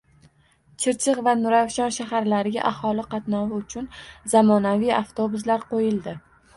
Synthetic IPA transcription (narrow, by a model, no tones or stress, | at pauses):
t͡ʃʰɪɾt͡ʃʰɪqvanʊɾafʃɒnʃaɦaɾlaɾɪɡʲa̰ʔahɒlɪqʰɑt̪nɒwɪʊt͡ʃʰʊnzamɒnavijaft̪ʰobʊs̬laɾqʰojɪld̪ɪ